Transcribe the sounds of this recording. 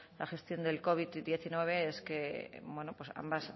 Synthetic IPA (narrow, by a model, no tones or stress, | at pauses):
laxe̞st̪jo̞nd̪e̞lko̞βiðd̪je̞θinwe̞β̞e̞eskebwe̞nopwesa̰mbas